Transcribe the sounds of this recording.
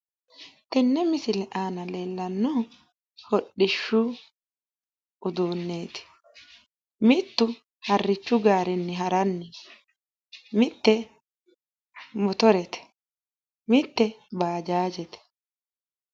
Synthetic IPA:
t̪ɛnːɛmɪsɪlɛʔaːnɐle̞ːlːɐnːɔ | hɔɗːɪʃːʊ | ʊd̪uːnːeːt̪ɪ̥ | mɪt̪ːʊ | hɐrːɪt͡ʃːʊɡaːɾɛnːɛɦɐɾɐnːɛ | mɪt̪ːɛ | mɔt̪ɔɾɛt̪ɛ̥ | mɪt̪ːɛbaːd͡ʒaːd͡ʒɛt̪ɛ̥

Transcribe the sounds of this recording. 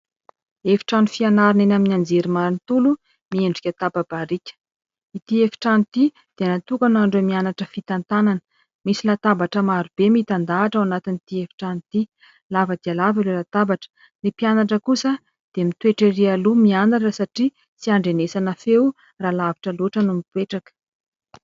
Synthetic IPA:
efi̥ʈ͡ʂanufianaɾinenaminand͡zeɾimaɾnit̪ulu | mieɳɖ͡ʐikʲat̪ababaɾikʲə̥ | it̪iefi̥ʈ͡ʂanit̪i | d̪̥enat̪ukanaɳɖ͡ʐemianaʈ͡ʂəfit̪ant̪ananə̥ | misilat̪abaʈ͡ʂəmaɾub̥emit̪and̪aːʈ͡ʂawanat̪init̪iefi̥ʈ͡ʂanit̪i | lavəd̪ialavalelat̪abaʈ͡ʂə̥ | nipianaʈ͡ʂəkusə | d̪̥emit̪weʈ͡ʂerialumianaʈ͡ʂəsaʈ͡ʂi | t͡siaɳɖ͡ʐenesanəfew | ralavi̥ʈ͡ʂəloʈ͡ʂənumit̪weʈ͡ʂakə̥

